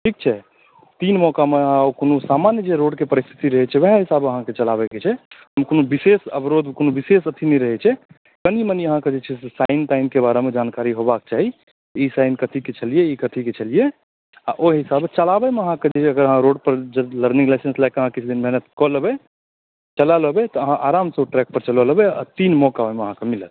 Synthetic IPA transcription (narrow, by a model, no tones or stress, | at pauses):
ʈʰik̚t͡ʃʰɛ | t̪inmɔkameãokonusamanjəd͡ʒeɾoɖkepəɾist̪ʰi̥t̪iɾəɦɛt͡ʃʰɛʋɛɦɦisabəɦãket͡ʃəlabɛket͡ʃʰɛɦəmkonobisesə̰bɾod̪konobisesət̪ʰinɛɾəɦɛt͡ʃʰɛ | kəniməniəɦãked͡ʒet͡ʃʰɛsesaɪnʈaɪmkebaɾemed͡ʒankaɾiɦobak̚t͡ʃaɦi | isaɪnkət̪ʰiket͡ʃʰəlieikət̪ʰiket͡ʃʰəlije | aʔoɦisabt͡ʃəlabɛmeəɦãked͡ʒet͡ʃʰɛəɡəɾəɦãɾoɖ̚pəɾd͡ʒləɾnĩŋɡlaɪsẽnslaɪkəɦãkit͡ʃʰd̪inmɛɦnət̪kɔləbe | t͡ʃəlaləbet̪ɔəɦãʔaɾamsẽoʈɾɛk̚pəɾt͡ʃələləbɛa̰t̪inmɔkabemeəɦãkemilət̪̚